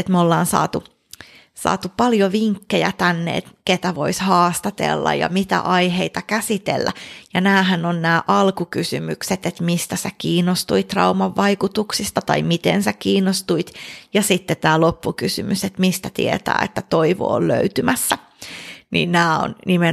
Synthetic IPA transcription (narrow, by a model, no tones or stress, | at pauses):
et̪meolːɑːnsɑ̰ːt̪u | sɑ̰ːt̪upɑljoʋiŋkːejæ̰t̪ænːḛḛt̪ket̪æʋoishɑːst̪ɑt̪ḛlːɑ̰jɑ̰mit̪æ̰ʔɑiheit̪ɑkæsit̪ḛlːæ̰jɑnæːhænonnæːʔɑlkukysymykset̪et̪mist̪æsekiːnːost̪uit̪rɑumɑʋːɑikut̪uksist̪ɑt̪ɑ̰imit̪ḛnsækiːnːost̪uit̪jɑsit̪ːet̪æːlopːukysymyset̪mist̪æt̪ḭḛt̪æ̰ːḛt̪ːæt̪oiʋo̰ːllø̰yt̪ymæsːæ | nḭːnnæːo̰nnime